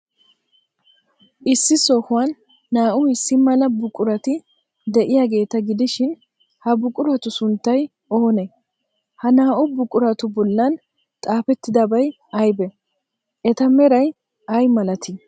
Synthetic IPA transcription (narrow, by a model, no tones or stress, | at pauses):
ʔɪsːɪsoːhʊwɐnː | aːʔʊɪsːɪmɐlɐbʊkʼʊɾɐt̪ɪ | d̪ɛʔɪjaːɡe̞ːt̪ɐɡɪd̪ɪʃɪn | hɐbʊkʼʊɾɐt̪ʊsʊnt̪ːɐj | o̞ːnɛ | hɐnaːʔʊbʊkʼʊɾɐt̪ʊbɔlːɐn | t̪ʼaːfɛt̪ːɪd̪ɐbɐj | ɐjbɛ | ʔɛt̪ɐmɛɾɐj | ɐjmɐlɐt̪ʰɪ